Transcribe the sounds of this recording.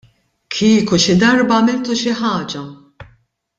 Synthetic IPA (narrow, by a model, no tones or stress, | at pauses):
kʰiːkuʃɪd̪ɐɾbɐːmɪlt̪uʃɪħɐːd͡ʒɐ